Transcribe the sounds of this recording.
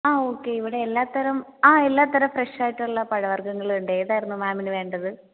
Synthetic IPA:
aːoːkːe̞iʋiɽe̞ːlːaːt̪ːɐɾɐmaːelːaːt̪ɐɾɐfreʂaːjiʈːuɭːɐpɐɻɐʋɐrɡɐŋːɐɭuɳɖɨeːðaːjiɾunːumaːminɨʋe̞ːɳɖɐðɨ

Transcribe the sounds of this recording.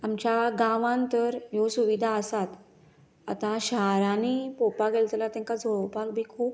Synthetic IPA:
amt͡ɕjaɡãʋãnt̪əɾjosuʋid̪ʱaəsat̪ | a̰t̪ãɕaɾanipopaɡelt̪lat̪ãŋkad͡zʱopak̚bʱiːkʰuːp̚

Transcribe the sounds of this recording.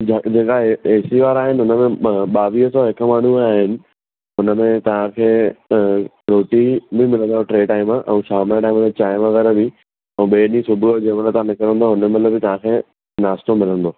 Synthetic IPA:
d͡ʑɐd͡ʑeːkaeːsiʋaːɾaːɦɪnɪ̆ʊnəmẽɓaːʋiːəsɔːɦɪkə̆maːɳ̤uaːɦɪnɪ̆ | ʊnəmẽt̪ɐʋ̤ãkʰeː | ɾoːʈibʱɪmɪlə̃nd̪oʈɾeːʈaːɪimə̃ʔɛ̰̃ːʃaːmaʈaːɪm̃ʰet͡ɕaːɪʋɐ̃ʋəɾəbɪ | ɛ̃ːɓeːnĩsʊbʱuod͡ʑẽːʋələt̪ɐãnɪkəɾə̃nd̪oʊnəmɐt̪ləbʱɪt̪ɐʋ̤ãkʰeː | naːst̪omɪlə̃nd̪oː

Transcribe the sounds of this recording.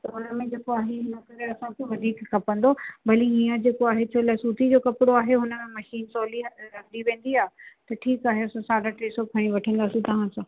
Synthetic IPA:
t̪ɐʊnəmẽd͡ʑeːkoaːɦeɦɪnɐkɐɾeɐsãkʰeʋɐd̪ʱiːkkʰɐpə̃nd̪obɐlĩɦiːə̃d͡ʑeːkoaːɦet͡ɕʰolasuːt̪id͡ʑoːkɐpɪɽoaːɦeɦʊnə̆mẽmɐʃiːnsɔːliɾɐɡd̪iʋẽːn̆d̪iaːɦet̪ɐʈʰiːkaːɦeɐsãsaːɖaʈeːsokʰɐɽ̃ĩʋɐʈʰə̃nd̪aːsĩt̪ɐʋ̤ãsãː

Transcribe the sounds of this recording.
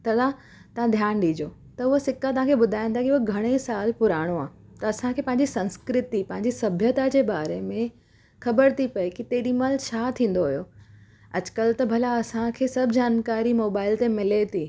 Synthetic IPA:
t̪ɐd̪a | t̪ɐɦãd̪ʱjaːnɗiːd͡ʑoː | t̪ɐʊɦosɪkat̪ɐʋ̤ãkʰebʊd̪ʱaːj̃nd̪aɦɛkiʊoɡʱɐɽ̃esaːlpʊɾaːɽ̃oaːt̪ɐɐsãkʰeːpɐ̃ɦɪ̃ɲd͡ʑisɐ̃nskɾɪt̪ipɐ̃ɦɪ̃ɲ̆d͡ʑisɐbʱjət̪ad͡ʑeːbaːɾemẽ | xɐbəɾt̪ʰipɐikit̪eːɗimɐlt͡ɕʰaːt̪ʰĩːn̆d̪oɦʊjo | ɐd͡ʑkəlt̪ɐbʱɐlaɐsãkʰeːsɐbʱd͡ʑaːnkaːɾimoːbaːɪlt̪emɪlet̪ʰiː

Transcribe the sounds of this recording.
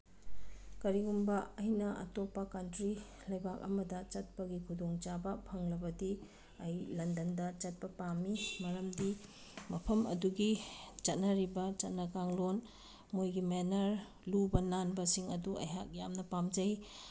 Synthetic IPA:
kɐɾiɡumbɐɐjnɐɐ̰topːɐkɐntɾi | lɐjbak̚ɐ̰mɐdɐt͡ʃɐt̚pɐɡikʰudoŋt͡ʃabɐpʰɐŋlɐbɐdi | ɐjlɐndɐndɐt͡ʃɐt̚pɐpamːimɐɾɐmdi | mɐpʰɐmɐ̰duɡit͡ʃɐt̚nɐɾibɐt͡ʃɐt̚nɐkaŋlon | mojɡimenɐɾ | lubɐnanbɐsiŋɐduʔɐ̰jɦak̚jamnɐpamd͡ʒɐj

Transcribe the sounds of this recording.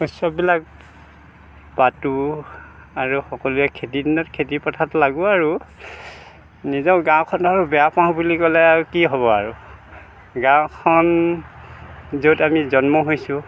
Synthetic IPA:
usɔbilak̚ | batu | aɹuxɔkɔluɛkʰetidinɔtkʰetipɔtʰatlaɡuaɹu | nizɔɡãw̃kʰɔnaɹubɛjapaɦũbulikɔlɛaɹukiɦɔβɔaɹu | ɡãw̃kʰɔn | zotamizɔnmɔɦojsʊ̃

